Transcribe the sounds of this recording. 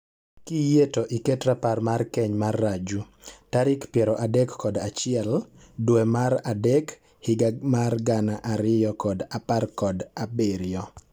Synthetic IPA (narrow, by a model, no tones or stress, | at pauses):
kijetoʔiketɾaparmarkɛɲmarːad͡ʒu | taɾɪkpjɛɾɔʔadɛkːɔdat͡ʃɪɛl | dwemaɾadɛk | hɪɡamarɡanaʔaɾɪjɔkɔdaparkɔdabeɾɪjɔ